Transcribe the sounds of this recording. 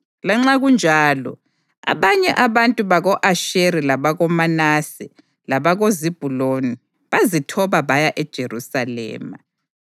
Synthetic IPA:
laŋ͡ǁaɣund͡ʒʱaːlɔ̰ | a̰βaɲɛʔaβantʼuβaɣɔʔaʃeɾilaβaɣɔmanasi | laβaɣozib̥ʱuloni | βazitʰɔβaβajaʔɛd̥ʒ̥ʱerusalɛ̰ːma̰

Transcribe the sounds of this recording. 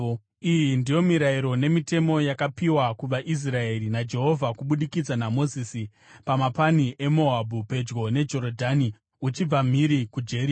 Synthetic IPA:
ijindijo̞miɾaiɾo̞ne̞mite̞mo̞jakapiwakuʋaʔis̬rae̞ɾinad͡ʒe̞ɦo̞vʱakuɓuɗikid͡zanamo̞ziːsi | pamapaniʔe̞mo̞abʱupe̞d͡ʒɡo̞ne̞d͡ʒo̞ɾodʱani | ut͡ʃib͡vam̤iɾikud͡ʒeːɾi

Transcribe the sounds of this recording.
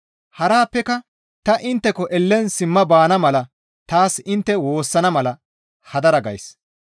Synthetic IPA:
hɐɾaːpːɛkɐ | t̪ɐʔɪnt̪ːɛkɔʔɛlːɛnsɪmːɐbaːnɐmɐlɐ | t̪aːsɪnt̪ːɛwo̞ːsːɐnɐmɐlɐ | hɐd̪ɐɾɐɡɐ̰js

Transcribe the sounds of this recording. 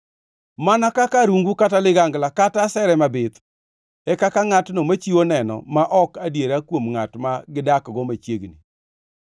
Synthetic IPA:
manakakaɾuŋɡukatalɪɡaŋɡlakatasɛɾɛmabɪt̪ | ɛkakaŋatnomat͡ʃiwonɛnɔ̰maʔɔkadjeɾakwomŋatmaɡɪdakɡɔmat͡ʃjeɡni

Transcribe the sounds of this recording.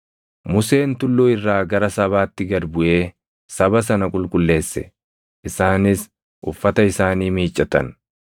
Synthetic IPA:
mʊse̞ːnt̪ʊlːʊːɪrːaːɡɐɾɐsɐβaːt̪ːɪɡɐɾbʊʔe̞ː | sɐbɐs̬ɐnɐkʼʊlkʼʊlːe̞ːsːɛ̰ | ʔɪsaːnɪs | ʔʊfːɐt̪ɐɪsaːniːmiːt͡ʃʼːɐt̪ɐ̰n

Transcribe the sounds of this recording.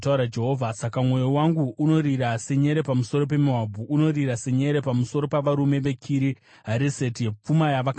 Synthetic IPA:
tauɾad͡ʒe̞ɦovʱasakamwo̞jowaŋɡuʔuno̞ɾiraseɲe̞ɾe̞pamuso̞ɾo̞p̬e̞muɦabʱuʔuno̞riɾaseɲe̞ɾe̞pamuso̞ɾo̞paʋaɾume̞ʋe̞kʰiɾi | ɦaɾisetijepp͡fumajaʋakː

